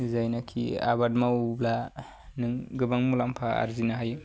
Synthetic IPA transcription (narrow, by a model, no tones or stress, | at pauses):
zajnakʰia̰bad̚mawbla | nɯŋɡɯbaŋmulampʰaa̰ɾzinaɦaj